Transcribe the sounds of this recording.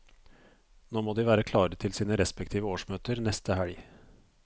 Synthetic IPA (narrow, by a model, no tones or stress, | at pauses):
noːmoːd̪iːʋæːɾəkʰlɑːɾət̪ʰɪlsiːnəɾɛspɛk̚t̪ʰiːʋəoːʂmøːt̪əɾnɛst̪əhæɭ